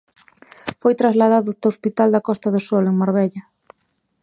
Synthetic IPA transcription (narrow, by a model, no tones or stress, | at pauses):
fojt̪ɾazlaðaðʊt̪aospit̪ald̪ɐkɔst̪aðʊsɔleŋmaɾβeʎɐ